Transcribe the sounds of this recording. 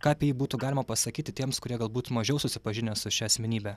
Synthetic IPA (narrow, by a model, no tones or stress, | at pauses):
kɑːpʲjiːbuːt̪uɡɑːlʲɪmɐpɐsɐkʲiːt̪ʲɪt̪ʲiɛmskʊɾʲiɛɡɐlˠbuːt̪mɐʒʲɛʊsʊsʲɪpɐʒʲɪnʲɛːsʊʃʲɛɐsʲmʲɛnʲiːbʲɛ